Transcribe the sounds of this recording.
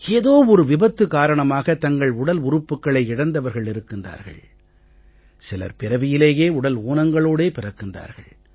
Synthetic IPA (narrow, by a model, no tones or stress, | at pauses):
eːðoːɔɾɯʋɪbɐt̪ːɯkaːɾɐɳɐmaːɣɐt̪ɐŋɡɐɭʊɽɐlʊrɯpːɯkːɐɭɐɪɪɽɐnd̪ɐʋɐɾɣɐɭɪɾɯkːɯnda̰ːɾɣɐ̰ɭ | sɪlɐ̰ɾpɪɾɐʋɪjɪleːjeːʊɽɐluːnɐŋɡɐɭoːɽeːpɪrɐkːɯnda̰ːɾɣɐ̰ɭ